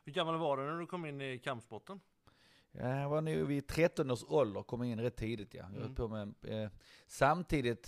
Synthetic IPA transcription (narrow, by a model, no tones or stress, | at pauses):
hɵɾɡamːalvaɖɛnæɖɵkʰɔmːɪnːɪkʰampsbɔt̪ːən | j̰vanʉːvɪt̪ʰɾɛt̪ːɔnəsɔld̪əɾkʰɔmːɪnːɾɛt̪ʰːiːd̪ɪt̪ja̰j̰ɔt̪pʰomɛ | samt̪ʰiːd̪ɪt̪